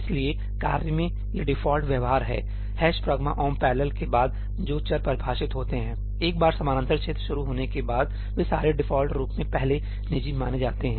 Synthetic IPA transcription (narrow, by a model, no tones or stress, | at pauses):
ɪslie | kaːɾjəmẽ | jaɖɪfʰɔːlʈʋjɐʋɦaːɾɦɛ̰ː | hɛːʃpɾəɡma̰ʔɔːmpɛːɾləlkebaːd̪ | d͡ʒoːt͡ʃəɾpɐɾbʱaːʃɪt̪ɦoːt̪eɦɛ̃ː | eːk̚baːɾsɐmaːɾə̃nt̪əɾt͡ʃʰeːt̪ɾʃʊɾuɦoːnekebaːd̪̚ | ʋesa̰ːɾeɖɪfʰɔːlʈɾuːpmẽpɛɦle | nɪd͡ʒimaːned͡ʒaːt̪eɦɛ̃ː